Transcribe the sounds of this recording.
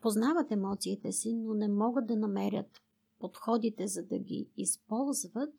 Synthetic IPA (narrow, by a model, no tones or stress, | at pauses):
poznavət̪ɛmɔt̪siːt̪ɛsinonɛmɔɡət̪̚d̪ɐnɐmɛɾʲə̰t̪ | pot̪xɔd̪it̪ɛzɐd̪ɐ̰ɡḭːspɔlˠzvət̪̚